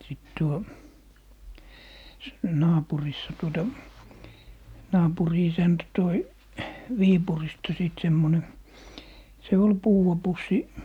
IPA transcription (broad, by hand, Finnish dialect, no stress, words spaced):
siˑt tuo s nɑːpurisːɑ tuotɑ nɑːpuri isæntæ toi ʋiːpuristɑ siˑt semːone se ol puːw̆ɑ pusːi